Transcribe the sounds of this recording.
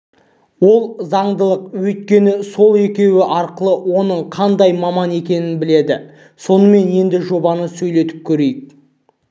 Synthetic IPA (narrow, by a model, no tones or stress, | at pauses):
wo̞lˠzɑɴd̪əlˠəqwɵjt̪̚kʲe̞nɪso̞lˠe̞kʲe̞wɪʔɑɾqəlˠəwo̞nəɴqʰɑnd̪ɑjmɑmɑne̞kʲe̞nɪnbɪle̞d̪ɪ | so̞nəme̞nje̞nd̪ɪʒo̞bɑnəsɵjle̞t̪ɪp̚kʲʰɵɾe̞jk